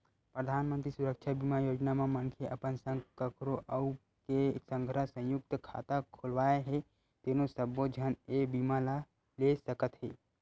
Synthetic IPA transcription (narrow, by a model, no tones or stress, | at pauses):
pɾəd̪ʱaːnmə̃nt̪ɾisʊɾəkt͡ʃʰabimajoːd͡ʒnamãmənkʰeʔɐpənsə̃ŋkəkɾoʔəʊ | kesə̃ŋɡʱɾəsə̃jʊk̚t̪kʰa̰ːt̪akʰolʋaːjeɦe | t̪enosəbod͡ʒʱənebimala | lesəkət̪ɦeː